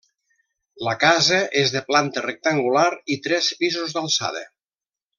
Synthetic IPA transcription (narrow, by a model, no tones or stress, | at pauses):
ləkazəʔezðəplant̪ərek̚t̪aŋɡulaɾit̪ɾɛspizuzðalˠsa̰ðə̰